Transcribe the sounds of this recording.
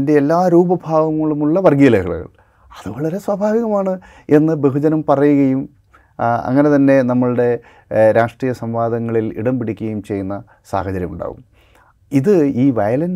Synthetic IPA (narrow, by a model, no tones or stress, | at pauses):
nde̞elːaːɾuːbɐbʱaːʋɐŋːɐɭumuɭːɐʋɐrɡiːlɐɣɐ̰ɭ̰ɣɐ̰ɭ | ɐðɨʋɐɭɐɾe̞swaːbʱaːʋiɣɐmaːɳɨ | e̞nːɨbeɦud͡ʑɐnɐmpɐrɐjuɣɐjum | ɐ̰ŋːɐne̞t̪ɐnːe̞nɐmːɐɭɨɽe̞ | ɾaːʂʈriːjɐsɐmʋaːd̪ʱɐŋːɐɭilḭɽɐmpiɽikʲːuɣɐjumt͡ɕe̞junːɐ | sa̰ːhɐt͡ɕɐɾjɐ̰muɳɖa̰ːɣṵm | iðɨiːʋɐjɐlɐn